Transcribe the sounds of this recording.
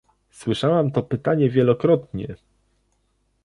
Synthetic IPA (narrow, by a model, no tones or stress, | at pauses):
swɘʂawamt̪ɔpɘt̪aɲɛvʲjɛlɔkɾɔt̪ɲɛ̰